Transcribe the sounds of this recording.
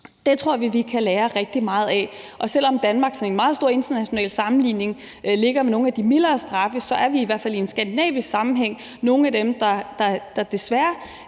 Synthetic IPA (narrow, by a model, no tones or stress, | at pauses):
d̥e̝t͡sʰʁo̝ɐ̰ʋiʋikʰæleːɐʁɛɡ̥̚d̥imɑ̈ːð̞̩ˠɛʔɒ̽sel̰ɒ̽md̥ænmɑ̈ːɡ̥sɒne̝nmɑ̈ːð̩ˠsdo̝ɐ̰e̝nd̥ɐnæɕo̝nɛ̰ːlsɑ̈mn̩lḭːne̝ŋ | le̝ɡ̥ɐmeno̝ːæd̥imilɐːsd̥ʁɑ̈fəsɒ̽æɐʋiiʋæɐ̰fæliensɡ̥ænd̥inɛ̰ːb̥isɡ̥sɑ̈mn̩ɦeŋ̰ | no̝ːn̩æd̥emd̥ɑ̈d̥ɑ̈d̥ɑ̈d̥e̝sʋæɐ